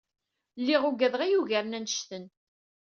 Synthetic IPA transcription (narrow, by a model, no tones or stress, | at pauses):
lːiʁuɡæðʁijuʝæɾnænʃt̪ən